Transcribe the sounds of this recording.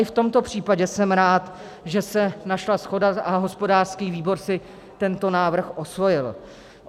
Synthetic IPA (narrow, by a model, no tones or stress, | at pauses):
ʔɪft̪o̞mt̪o̞pr̝̥iːpaɟɛsɛmɾaːt̪ | ʒɛsɛnaʃlasxo̞daaɦo̞spo̞daːr̥skiːviːbo̞ɾsɪ | t̪ɛnt̪o̞naːvr̩xʔo̞svo̞jɪl